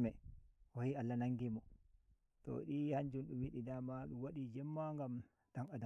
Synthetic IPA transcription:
mɛɔhialːanaŋɡimɔ | tɔ̰ɗihaɲd͡ʒunɗumwiɗidamaɗuwaɗid͡ʒɛmːaŋɡam | daŋada

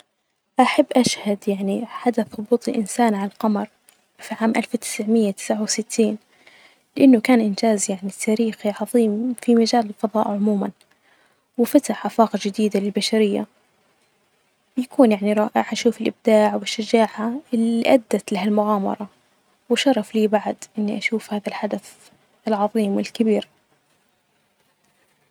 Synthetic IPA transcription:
ʔaħabːʔaʃhad̪jaʕniħad̪aθˤʊbuːt̪ˤilʔɪnsaːnʕalalqɑmɑɾˤ | fiʕaːmʔalfwt̪ɪ̥sʕmɪjːat̪ɪ̥sʕawsɪt̪ʰːiːn | lɪʔanːʊkaːnʔɪntaːzjaʕnit̪ʰːaɾiːxiʕɑðˤiːmfimad͡ʒaːlɪlfɑðˤɑ̰ːʔʕʊmuːman | wɪfat̪aħʔafaːqɑʒɪd̪iːd̪alɪlbaʃaɾɪjːa̰ | bɪjakʰuːnjaʕniɾˤɑːʔɪʕʔaʃuːfɪlʔɪb̚d̪aːʕwɪʃːad͡ʒaːʕaɪliʔad̪ːat̪laɦalmʊɣaːmɑ̰ɾˤɑ | wʃɑɾˤːɑfliːbaʕd̪ʔɪnːiʔaʃuːfhaːðalħad̪aθ | ɪlʕɑðˤiːmwɪlkɪbiːɾ

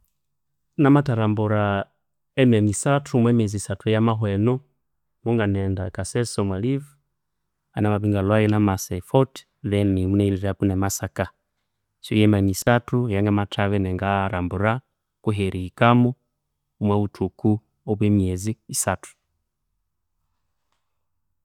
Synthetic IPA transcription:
namataɾambuɾa | ɛmɛmisatʰumwɛmiɛzisatujamaɦwɛnɔ | muŋɡanɛndakasɛsɔmwaliv | a̰namaβiŋɡalwaɛlamasɛifɔt | βɛnimunɛiliɾapunɛmasaka | sɔjɛmamisatujaŋɡamatʰaβɛnɛŋɡaɾambuɾa | kuɦɛɾiikamɔ | umwɛutʰuku | ɔβwɛmiɛziːsatu̥

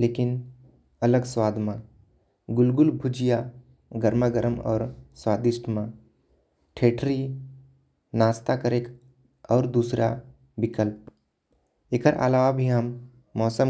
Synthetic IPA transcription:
leːkɪn | ɐləɡswaːd̪mã | ɡʊlɡʊlbʱʊd͡ʒija | ɡəɾməɡəɾəmɔ̰ːɾswaːd̪ɪʃʈʰmã | ʈʰeːʈʰɾi | naːst̪akəɾeːk | ɔːɾd̪uːsɾʔa | bɪkəlp̚ | ɪkəɾʔa̰laːʋabʱiɦəmː | ɔːsəm

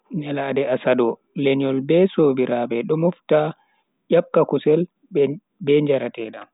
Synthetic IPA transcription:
ɲɛladɛasadɔ | leɲɔlbɛsoːbiɾʔaːbɛɗɔmufta | jap̚kːakusɛl | bɛɲd͡ʒaɾatɛɗam

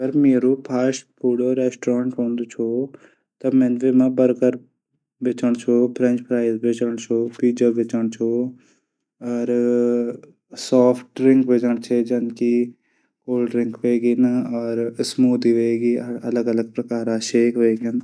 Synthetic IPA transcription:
əɡəɾmeːɾuːpʰaːspuːɽoːɾɛːsʈɾãːɳʈɦõːnd̪t͡ʃʰoː | t̪ãmɛ̃ːnʋeːmãːbəɾkəɾ | ʋɪt͡ʃəɳ̃t͡ʃʰoːpʰɾɛ̃nt͡ʃpɾaːizbeːt͡ʃəɳ̃t͡ʃʰoːpiːd͡ʒaːbɪt͡ʃəɳ̃t͡ʃʰoː | ɔːɾ | sɔːpʰʈɾɪŋkʋed͡ʒəɳ̃t͡ʃʰeːd͡ʒənki | koːlɖɾɪŋkʋeːɡiːnaɔːɾsmuːd̪iːʋeːɡiːələɡələɡ̚pɾəkaːɾaːʃeːkʋeːɡan

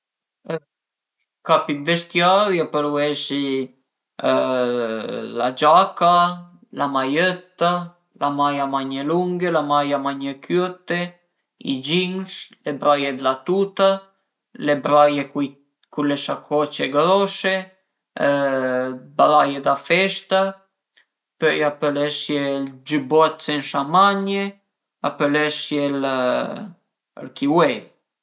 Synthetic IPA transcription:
kapivɛʃt̪jaɾjapəɾuɛʃi | lad͡ʒaka | lamajœt̪ːa | lamajamaɲɛluŋɡɛlamajamaɲɛkøt̪ɛ | ḭd͡ʒiŋslɛbɾajɛd̪lat̪ut̪a | lɛbɾajɛ | kulɛʃakʰɔt͡ɕɛɡɾɔʃɛ | bɾajɛd̪afɛʃt̪a | pɛiapɛlɛʃjɛld͡ʒəbɔat̪t͡sɛnʃamaɲɛ | a̰pɛlɛʃjɛl | ɾkiwɛ

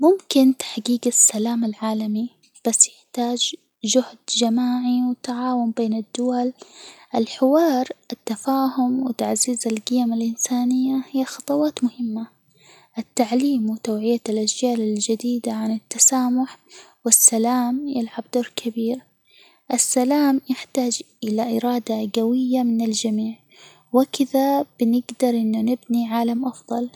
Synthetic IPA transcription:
mʊmkɪnt̪ḁħɡiːɡasːalaːmɪlʕaːlami | b̥asːjɪħt̪aːd͡ʒ | d͡ʒʊhd̪d͡ʒamaːʕiwɪt̪ːaʕaːwʊmbeːnɪd̪ːʊwalʔɪlħɪwɑːɾˤʔɪt̪ːafaːhʊmwɪt̪aʕziːzɪlɡɪjamɪlʔɪnsaːnɪjːahɪjːaxɑt̪ˤɑwɑːt̪mʊhɪmːa | ʔɪt̪ːaʕliːmwɪt̪aːʕɪjalʔad͡ʒd͡ʒaːlɪld͡ʒad̪iːd̪aʕanɪt̪ːasaːmʊħwɪsːalaːmjɪlʕab̚d̪oːɾˤkʰabiːɾ | ʔɪsːalaːmjaħt̪aːd͡ʒʔɪlaʔɪɾɑːd̪aɡawɪjːamɪnɪld͡ʒamiːʕ | wɪkɪðab̥ɪnɪɡd̪ɑɾˤʔɪnːʊnɪbniʕaːlamʔɑfðˤɑl

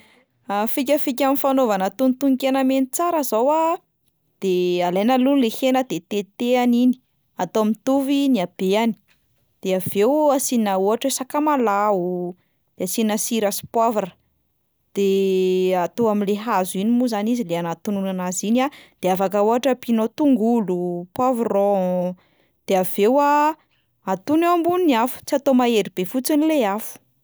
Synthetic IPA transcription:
afik̬ʲəfik̬ʲaminfanovanət̪unt̪uŋkʲenəmenit͡saɾəzawa | d̪̥ealajnəlunlehenəd̪et̪et̪eanini̥ | at̪oamint̪uviniab̥eani̥ | d̪̥eavewasinauaʈ͡ʂwesakamalau | d̪̥easinəsiɾasi̥pwavaɾə̥ | d̪̥e | at̪oaminleɦazuinimuzanizileanat̪ununanazinad̪̥eafakauɦaʈ͡ʂəpinot̪uŋɡulupwavrɔ | d̪̥eav̥ewa | at̪unewambuniniafu̥t͡siat̪omaeɾib̥efut͡sinileafu̥

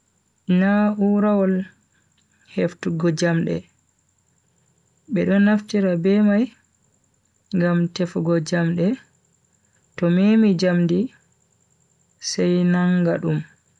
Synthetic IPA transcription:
inauɾawɔl | heftuɡɔd͡ʒamɗɛ̰ | ɓɛɗɔnːaftiɾabɛmaj | ŋɡamtɛfuɡɔd͡ʒamɗɛ | tɔmemid͡ʒamdi | sɛjnaŋɡaɗum

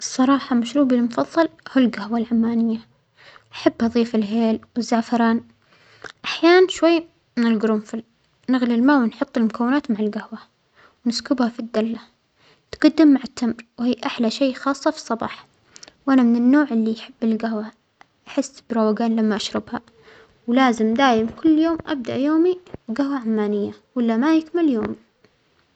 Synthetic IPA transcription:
ʔɨsˤːɑɾˤɑːħɑmaʃɾuːbɪlmʊfɑðˤːɑlhulɡahwalʕamːaːnɪjːa | ʔaħabːʔɑðˤiːfɪlɦeːlwɪzːaʕfɑɾˤɑːn | ʔaħjaːnanʃwajː | mɪnɪlɡɾʊmfɪl | naɣlilmaːwɪnħʊt̪ˤːɪlmʊkawːɪnaːt̪maʕalɡahwa | wnɪskʊbhafid̪ːalːa | t̪ɡad̪ːɪmːaʕɪt̪ːamɾwhiːʔaħlaʃeːxɑːsˤːɑfi̥sˤɑbɑ̰ːħ | wʔanamɪnɪnːoːʕɪlːijaħɪbːɪlɡahwa | ʔaħɪsːbɾˤɑwaɡaːnlamːaʔaʃɾˤɪbha | wlaːzɪmd̪aːjɪmkʊlːjoːmʔa̰b̚d̪a̰ʔjoːmiwɡahwaʕamːaːnɪjːawalːamajɪkmɪljoːmi

